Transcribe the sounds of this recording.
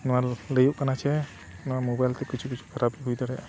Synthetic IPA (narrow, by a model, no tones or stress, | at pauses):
nɔaɾləjuʔkanat͡ʃʰɛ | nɔamobajlt̪ɛkit͡ʃʰukit͡ʃʰu̥kʰəɾabiɦujd̪aɾɛa